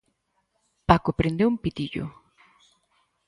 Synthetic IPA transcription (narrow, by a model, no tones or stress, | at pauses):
pakopɾend̪eumpɪt̪iʎo̰